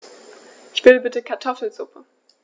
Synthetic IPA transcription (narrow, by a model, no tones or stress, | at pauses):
ʃv̥ɪləbɪtəkʰaɐtʰɔfl̩zʊpʰə